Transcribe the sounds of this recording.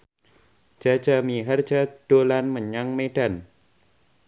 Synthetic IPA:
d͡ʒ̥ḁd͡ʒamiɦar̥d͡ʒad̥olanməɲaŋmeɖ̥an

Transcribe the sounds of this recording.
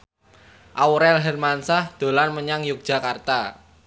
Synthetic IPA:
ʔauɾɛlɦɛrmansahd̪̥o̤lanməɲaŋjʊk̚d̥ʒ̥a̤kart̪a

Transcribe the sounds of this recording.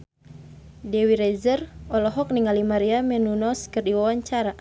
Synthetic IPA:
dɛwiɾɛzərɔlɔɦɔk̚niŋalimaɾiamɛnunɔskɨrdiwawaɲt͡ʃaɾa

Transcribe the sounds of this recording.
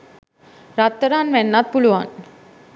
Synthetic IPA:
ɾat̪ːəɾanʋɛnːat̪̚pulʋa̰n

